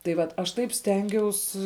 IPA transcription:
tɐɪ ˈʋɐt ɐʃ ˈtɐɪp ˈsʲtʲɛŋʲɡʲɛʊs

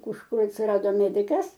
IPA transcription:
kʊʃˈkʊr ɐtʲsʲɪˈrɑːdoː ˈmʲæːdʲɪkɐs

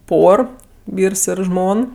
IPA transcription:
ˈpoːr ˈʋʲiːrs ˈɪr ˈʒmoːn

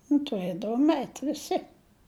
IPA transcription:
nʊ tʊˈrʲeːdɐʋoːm ɛɪtʲ ʋʲɪˈsʲɪ

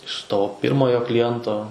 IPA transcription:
ɪʃ ˈtoː ˈpʲɪrmoːjoː klʲɪˈjɛntoː

